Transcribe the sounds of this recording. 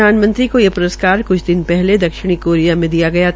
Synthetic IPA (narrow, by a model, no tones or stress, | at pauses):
aːnmɐ̃nt̪ɾikojepʊɾəskaːɾkʊt͡ʃʰd̪ɪnpɛɦled̪ɐkʃɪɽ̃ikoːɾijamẽd̪ijaɡɐja